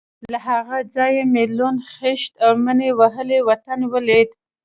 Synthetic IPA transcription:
laɦaɣad͡zɑjemelonxeʃt̪awmənewaɦəlewat̪anwəled̪

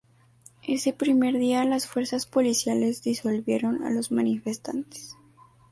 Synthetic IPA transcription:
e̞se̞pɾime̞ɾðialasfwe̞ɾsaspo̞lisjale̞zðiso̞lβje̞ɾo̞na̰lo̞zmanife̞st̪a̰nt̪e̥s

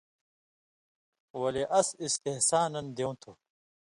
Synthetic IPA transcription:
wɐleʔɐsist̪ehsaːnɐnd̪ew̃t̪ʰu

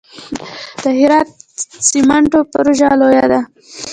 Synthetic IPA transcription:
d̪̥əhɪɾɑt̪̚sɪmaɳʈopaɾoʒalojad̪a

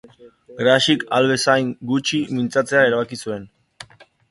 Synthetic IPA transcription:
ɡɾaʃikalβe̞sajŋɡut͡ʃimint͡sat͡se̞ae̞ɾaβakisue̞n

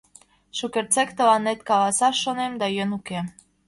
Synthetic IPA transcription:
ʃukert͡sekt̪əlɑnːet̪kɑlɑsɑʃːonemd̪ɑjønukem

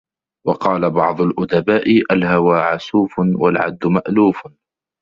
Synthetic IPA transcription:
wɑqɑːlabɑʕd̪ˤʊlʔʊd̪abaːʔɪʔalhawaːʕasuːfnwalʕa̰d̪ːʊmaʔluːf

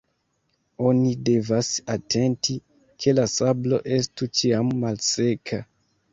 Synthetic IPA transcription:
o̞nide̞vasatʰe̞nti | kʰe̞lasablo̞̰ʔe̞stut͡ʃiamːalse̞kʰa

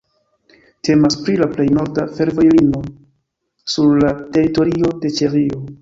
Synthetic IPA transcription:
te̞maspɾilaple̞jno̞ɾdafe̞ɾvo̞jlino̞ | suɾlate̞ɾito̞ɾio̞de̞t͡ʃeɾio̞

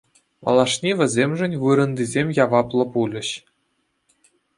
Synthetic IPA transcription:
mɑ̰lˠɑʂnʲiʋʲɘ̆zʲemʲʐɘ̆nʲvɯɾɤ̆nd̪ʲizʲemʲjɑʋɑplˠɤ̆pulʲɘ̆ɕ

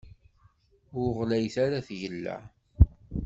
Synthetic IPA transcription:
ʊɾʁlæjθaɾaθʝəlːæ̰

